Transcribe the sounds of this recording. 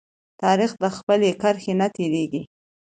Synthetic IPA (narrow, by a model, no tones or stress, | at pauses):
t̪ɑɾixd̪əxpəlekaɾxenat̪eɾeɡi